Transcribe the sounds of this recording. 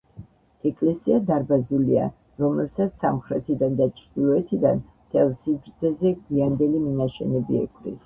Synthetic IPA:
ɛkʼlɛsiad̪aɾbazulia̰ | ɾɔmɛlsat̪ssa̰mχɾɛt̪ʰid̪and̪at͡ʃʰɾd̪̥ilˠɔɛt̪ʰid̪an | t̪ʰɛlˠsibɾt̪zɛzɛɡwiand̪ɛliminaʃɛ̰nɛbḭɛ̰kʼɾḭs

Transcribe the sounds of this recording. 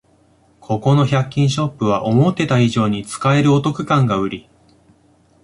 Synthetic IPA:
kʰo̞ko̞no̞çakʲːĩɰ̃ɕo̞pːɯ̟β̞aʔo̞mo̞t̪ːe̞t̪aiʑo̞ːɲ̟it͡sɨ̥kae̞ɾɯ̟ot̪o̞kɯ̟kãŋɡaɯ̟ɾʲi

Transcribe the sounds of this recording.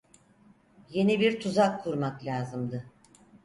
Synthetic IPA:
je̞nibiɾt̪ʰuzakʰːuɾmaklʲaːzɯmd̪ɯ

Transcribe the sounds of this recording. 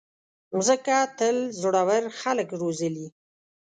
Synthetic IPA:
zəkat̪əlzoɽawəɾxaləkɾozəli

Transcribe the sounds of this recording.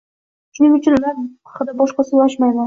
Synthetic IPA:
ʃʊnɪŋʊt͡ʃʰɪnʊlanʰ | χɨd̪abɒʃqɑsɪjaʃmajman

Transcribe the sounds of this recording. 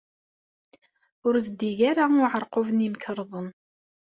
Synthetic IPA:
ʊɾzəd̪iʝaɾaʊʕəɾˤqovənimkɾˤðˤən

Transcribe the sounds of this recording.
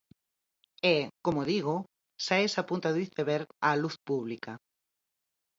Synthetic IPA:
ekomoðiɣ̞o | saesapunt̪aðiθeβeɾaluθpuβlika

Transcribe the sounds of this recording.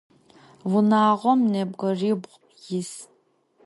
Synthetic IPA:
wʊnaːʁʷɔmneːbʁɐriːbʁʷ | jɪs

